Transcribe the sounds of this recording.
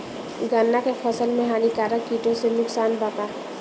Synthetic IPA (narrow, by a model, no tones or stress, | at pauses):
ɡanːakepʰəsəlmẽɦaːnikaːɾakiʈõsenʊksaːnbat̪a